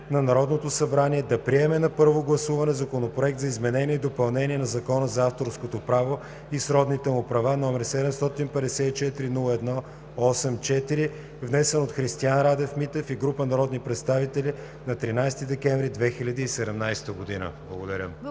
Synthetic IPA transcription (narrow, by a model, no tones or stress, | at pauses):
nɐnɐɾɔd̪not̪osɐbɾaniɛd̪ɐpɾiɛmɛnɐpɤɾvoɡlˠɐsuvɐnɛzɐkonopɾoɛk̚t̪zɐizmɛnɛniɛid̪opɐlˠnɛnʲiɛnɐzɐkɔnəzɐaft̪oɾskot̪opɾavo | isɾɔd̪nit̪ɛmʊpɾɐvanɔmɛɾsɛd̪ɛmst̪ɔt̪inpɛd̪ɛsɛit͡ʃɛt̪iɾinulˠəɛd̪nɔ | ɔsɛmt͡ʃɛt̪iɾi | vnɛsɛnot̪xɾist̪ianɾad̪ɛfmit̪ɛfiɡɾupənɐɾɔd̪nipɾɛt̪st̪avit̪ɛlʲi | nɐt̪ɾinajst̪id̪ɛkɛnvɾid̪vɛxilʲɐd̪iːsɛd̪ɛmnajst̪əɡod̪inə̰blˠɐɡod̪ɐɾʲə̰m